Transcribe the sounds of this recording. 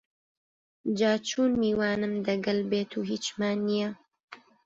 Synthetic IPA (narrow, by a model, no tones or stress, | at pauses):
d͡ʒaːt͡ʃʰuːnmiːwaːnɨmd̪ɐɡɐlbeːt̪ʰuːɦiːt͡ʃmaːnːijɛ